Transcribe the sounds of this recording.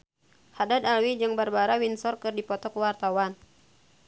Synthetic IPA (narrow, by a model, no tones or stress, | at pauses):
hadad̪alwid͡ʒɨŋbarbaɾawinsɔrkɨrdipɔt̪ɔkwart̪awan